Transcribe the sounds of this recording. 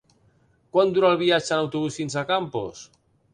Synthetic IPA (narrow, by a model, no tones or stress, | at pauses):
kwand̪uɾalβiat͡ʃanawt̪uβusfinsakampo̰s